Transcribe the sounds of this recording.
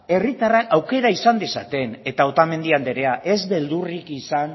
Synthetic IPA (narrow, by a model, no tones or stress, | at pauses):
e̞rit̪arakawke̞ɾaisand̪esa̰t̪e̞ne̞t̪ao̞t̪ame̞nd̪iand̪eɾe̞aʔe̞zβe̞ld̪urikisan